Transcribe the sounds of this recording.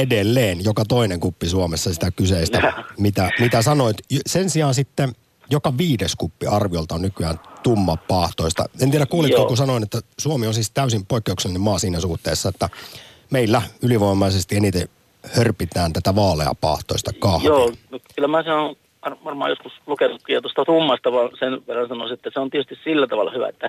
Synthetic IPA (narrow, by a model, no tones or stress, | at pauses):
edelːeːnjokɑt̪oineŋkupːisuomesːɑsit̪ækyseisæmit̪æmit̪æsɑnoit̪sensiɑːnsit̪ːe | jokɑʋiːdeskupːiɑrʋiolt̪ɑonnykyæːnt̪umːɑpːɑːht̪oist̪ɑ̰ent̪iæɾækuːlit̪kɑːkusɑnoinet̪ːæsuomionsiːst̪æysimpoikːeukselːnemɑːsiːnæsuht̪ḛːsːɑet̪ːæ | meilːæyliʋoˑimɑisest̪ienit̪e | hørpit̪æːnt̪æt̪æʋɑːlḛɑ̰pɑ̰ːht̪o̰ist̪ɑkɑhjoːnokylːæmæːse | ɑrʋɑrmɑ̰ːjoskuslukenukkːiːɑt̪ost̪ɑt̪umːɑst̪ɑʋɑːnsenʋerːɑnsɑno̰ˑsiet̪ːæseont̪iet̪ys̆t̪issilːæt̪ɑʋɑlːɑ̰hyʋæ̰ḛt̪ːæ